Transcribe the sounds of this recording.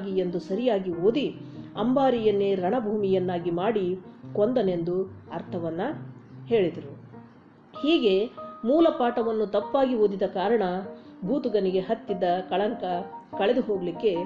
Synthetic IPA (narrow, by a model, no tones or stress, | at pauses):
ɡije̞nd̪usɐɾijaːɡioːd̪iɐmbaːɾijɐnːeɾɐɳɐbʱuːmijɐnːaːɡimaːɽikond̪ɐne̞nd̪uɐɾt̪ʰɐʋɐnːɐhe̞ːɭid̪ɐɾu | hiːɡe̞muːlɐpaːʈɐʋɐnːut̪ɐpːaːɡioːd̪id̪ɐkaːɾɐɳɐbʱuːt̪uɡɐniɡe̞ɦɐt̪ːid̪ːɐkɐɭɐŋkɐkɐɭe̞d̪uɦo̞ːɡɐlikːe̞